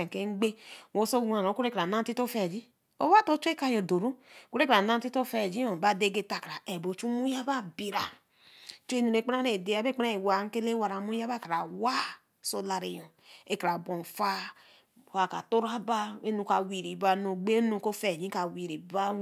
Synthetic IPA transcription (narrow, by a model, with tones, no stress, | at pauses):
ke˦ŋ͡mɡ͡be˦˨o˦so˦ɡa˨ɾo˨˦ko˦ɾe˦ka˨na˦nti˦to˦fɛ˨d͡ʒi˦ | o̰˦ba˦to˦t͡ʃu˦e˦ka˦jo˨do˨ɾu˦˨ko˦ɾe˦kɾa˨na˦n˦ti˦to˦fɛ˨d͡ʒi˦o˨ba˦de˦ɡe˦ta˨ka˨ɾa˨e˨bo˨t͡ʃu˦mu˦ja˦ba˦bi˨ɾa˨ | t͡ʃe˦nu˨ɾe˨˦˨k͡pe˦ɾa˦ɾe˨de˨˦a˦be˦k͡pe˦ɾa˦e˨wa˨˦ŋ̩˦ke˦le˦wa˨ɾa˨˦mu˦ja˦ba˦ka˨ɾa˨wa˦ | so˦la˨ɾe˨jo˨ | e˦ka˨ɾa˨bo˨n˨fa˦˨ | a˨ka˨to˦ɾa˦ba˦e˦nu˨ka˨wi˨ɾi˨ba˨no˨ɡ͡be˦nu˨ko˦fɛ˨d͡ʒi˦ka˨wi˨ɾi˨ba˦